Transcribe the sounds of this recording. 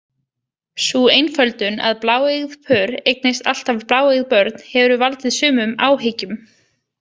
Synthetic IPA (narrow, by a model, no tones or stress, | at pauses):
suejnfœlt̪ʏna̰ðplaːwejɣðpʰœːɾejk̚nɪst̪al̥t̪avplaːwejɣðpœɾt̪̚nhɛvɾʏvalt̪ɪðsʏːmʏmaːwɦecʏm